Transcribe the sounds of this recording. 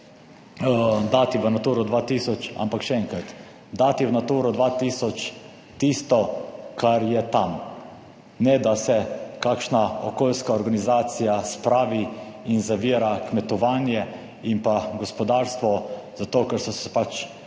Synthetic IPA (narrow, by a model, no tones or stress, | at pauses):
d̪aːt̪iʋənat̪uːɾɔd̪ʋaːt̪iːsɔt͡ʃa̰mpakʃɛɛŋkɾat̪ | d̪aːt̪iʋənat̪uːɾɔd̪ʋaːt̪iːsɔt͡ʃ | t̪iːst̪ɔkʰaɾjɛt̪am | nɛd̪asɛkakʃnaɔkoːlskaɔɾɡanizaːt̪sijaspɾaːʋiinzaʋiːɾakmɛt̪ɔʋaːnjɛ | impaɡɔspɔd̪aːɾst̪ʋɔzat̪oːkɛɾsɔsɛ̥pat͡ʃ